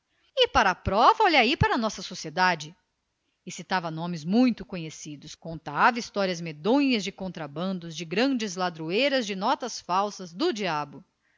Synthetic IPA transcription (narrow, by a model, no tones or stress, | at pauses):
ɪpaɾɐːpɾɔvɐɔʎaipaɾɐnɔsɐsosied̪ad͡ʒɪ | ɪsit̪avɐnõmɪzmũj̃t̪ʊkõɲesid̪ʊskõnt̪avɐist̪ɔɾiɐzmed̪õɲɐzd͡ʒɪkõnt̪ɾabɐ̃nd̪ʊzd͡ʒɪɡɾɐ̃d͡ʒɪzlad̪ɾuejɾɐzd͡ʒɪnɔt̪ɐsfawsɐzd̪ʊd͡ʒiabʊ